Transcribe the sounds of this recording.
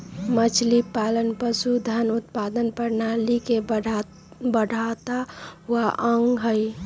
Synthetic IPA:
mət͡ʃʰlipalənpəsud̪ʱənʊt̪̚paːd̪ənpəɾnalikeb | bəɽ̤ʱat̪aʋaʔə̃ŋɡɦəi

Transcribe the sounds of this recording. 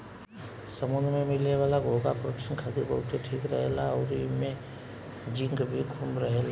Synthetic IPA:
səmʊnmẽmɪlneʋaːlaɡʱoːɡapɾkʃənkʰaːt̪iɾbəɦʊt̪eʈʰiːkɾəɦelaɔɾimẽ | d͡ʒɪ̃ŋɡbʱikʰumɾəɦel

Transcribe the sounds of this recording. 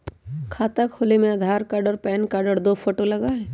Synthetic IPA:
kʰaːt̪akʰoːlemẽaːd̪ʱaːɾkaːɖəɾpɛːnkaːɖəɾd̪oːpʰoːʈolɐɡaɦɛː

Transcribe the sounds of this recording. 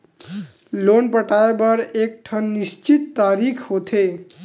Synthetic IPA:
lonpəʈaebʌɾek̚ʈʰʌnːist͡ʃit̪ːaɾikʰhot̪ʰe

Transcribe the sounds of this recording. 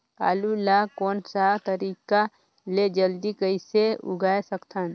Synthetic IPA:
pa̰ːlulakɔːnsat̪əɾiːka | led͡ʒəld̪ikəiseʊ̰ɡʱaːesəkt̪ʰan

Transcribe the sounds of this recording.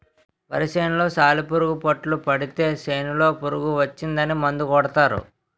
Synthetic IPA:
pɐ̰ɾiʃeːnulo̞ːsaːlipuɾuɡupɐʈlupɐɽit̪e̞ːseːnulo̞ːpuɾuɡuʋɐt͡ʃːind̪ɐnimɐnd̪ukɔɽɐt̪aːɾṵ

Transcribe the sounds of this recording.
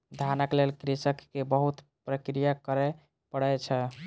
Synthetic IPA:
d̪ʱanəklelkɾisəkːebəɦut̪ | pɾəkɾijakəɾɛ | pəɽət͡ʃʰɛ

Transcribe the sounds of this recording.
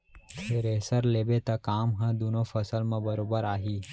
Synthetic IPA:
t̪ʰeɾesəɾleːbet̪ɐkaːmɦɐ̃d̪unõfʰɐsəlmɐ̃bɐɾoːbəɾaːɦiː

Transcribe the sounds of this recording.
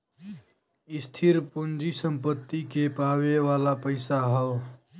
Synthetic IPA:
ɪst̪ʰiɾpund͡ʒisəmpət̪ːikepaweʋaːlapəɪsaɦəw

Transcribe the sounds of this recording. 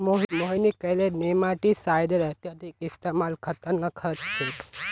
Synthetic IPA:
moɦmoɦinikəlenemaʈisajd̪əɾəɦt̪jat̪ikɪst̪emalkʰət̪əɾnəkʰəɾt͡ʃt͡ʃʰe

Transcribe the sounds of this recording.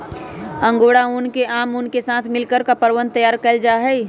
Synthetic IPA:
ə̃ŋɡoːɽaunkeʔaːmunkesaːt̪ʰmɪlkəɾkapəɾwə̃nd̪̚t̪əjaːɾkəld͡ʒaɦɛi

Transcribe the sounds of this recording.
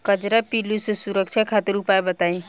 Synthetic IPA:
kəd͡ʒɾapilusesuɾəkt͡ʃʰakʰat̪iɾupajbət̪aĩ

